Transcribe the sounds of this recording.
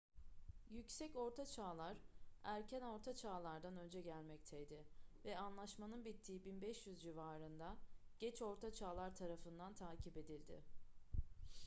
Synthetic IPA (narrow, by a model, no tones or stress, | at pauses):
jycsɛco̞ɾt̪ʰat͡ʃʰaːlˠaɾæɾcʰæno̞ɾt̪ʰat͡ʃʰaːlˠaɾd̪anø̞nd͡ʒɛɟælʲmɛc̚t̪ʰɛjd̪ɪvɛanlˠaʃmanɯnbit̪ʰːiːibinbɛʃjyzd͡ʒivaːɾɯnd̪aɟ̥ɛt͡ʃo̞ɾt̪ʰat͡ʃʰaːlˠaɾt̪ʰaɾafɯnd̪ant̪ʰaːcʰipe̞d̪ilʲd̪ɪ̰